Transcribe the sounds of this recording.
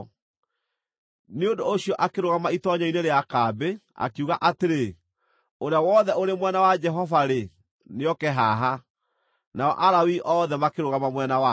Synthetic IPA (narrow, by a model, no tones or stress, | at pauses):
neondooɕiɔʔakeɾoɣamaitɔɲaineɾeakabea̰keuɣaʔateɾe | oɾeawɔðɛoɾemwɛnawad͡ʒɛɦɔvaɾe | neɔkɛɦaɦa | naɔ̰ʔaɾawiʔɔðɛmakeɾoɣamamwɛnawa